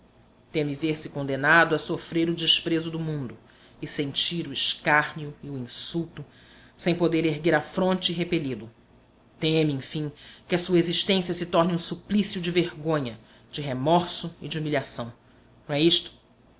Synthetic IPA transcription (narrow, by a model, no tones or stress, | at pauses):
t̪ẽmɪveɾsɪkõnd̪enad̪ʊɐsofɾeɾʊd͡ʒɪʃpɾezʊd̪ʊmũnd̪ʊ | ɪsẽnt͡ʃiɾʊɪʃkaɾniʊɪuĩsuwt̪ʊ | sẽj̃pod̪eɾeɦɡeɾafɾõnt͡ʃɪɦepeʎid̪ʊ | t̪ẽɐmɪẽj̃fĩkɪɐsuɐeziʃt̪ẽsjɐsɪt̪ɔɾnɪũsuplisjʊd͡ʒɪveɾɡõɲɐ | d͡ʒɪɦemɔɾsʊɪd͡ʒɪumilʲiasɐ̃w̃ | nɐ̃w̃ɛiʃt̪ʊ̥